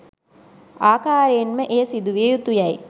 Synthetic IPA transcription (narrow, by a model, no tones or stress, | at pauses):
aːkaːɾejːnməʔeːsid̪uʋiejut̪ujɐj